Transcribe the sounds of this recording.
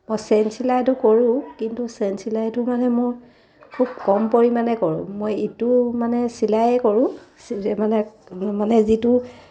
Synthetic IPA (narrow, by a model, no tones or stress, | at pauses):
mojsɛnsilajtʊkoɹʊ̃kintusɛnsilajtʊmanɛmʊɹ | kʰub̚kɔmpoɹimanɛkoɹʊ̰̃mojetumanɛsilajɛkoɹʊ̃smanɛmanɛzitʊ